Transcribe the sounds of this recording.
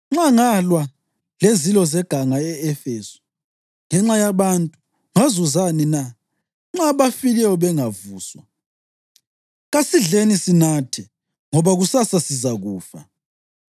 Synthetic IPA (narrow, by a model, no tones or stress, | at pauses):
ŋ͡ǁaŋalwa | lezilɔzɛɡ̥ʱaŋaɛɛfeːsɔ̥ | ŋɛŋ͡ǁajaβantʼu | ŋazuzanina | ŋ͡ǁaβafilɛwɔβɛŋavuːswa | ɣasiɮenisinatʰɛ | ŋɔβaɣusasasizaɣuːfa̰